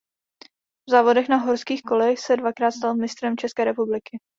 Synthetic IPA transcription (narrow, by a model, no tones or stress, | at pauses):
vzaːvo̞dɛxnaɦo̞ɾskiːxko̞lɛxsɛdvakɾaːt̪st̪almɪnɪst̪ɾɛmt͡ʃɛskɛːɾɛpublɪkɪ